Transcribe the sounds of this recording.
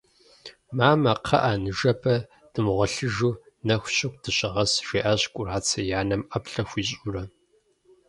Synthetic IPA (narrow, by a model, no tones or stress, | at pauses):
maːmɐqʰɐ̰ʔaːnɨʒɐpʰɐ | d̥ɨmʁʷɔɬɨʒuː | nɐxʷɕɪkʷdʰɨɕʼɪʁɐsʒ̥eːʔɐɕkʷʼʊraːt͡sʰɐjaːnɐmʔɐpɬɐxʷiːɕʼʊrɐ